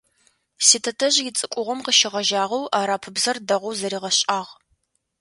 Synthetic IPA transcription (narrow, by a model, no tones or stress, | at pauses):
siːtʰɐtʰɐʑjɪt͡sʼɨkʷʼʊʁʷɔmqəʃɪʁɐʒaːʁɐwʔaːɾaːpʰɨbzɐrdɐʁʷʊwzɐɾiːʁɐɕʼaːʁ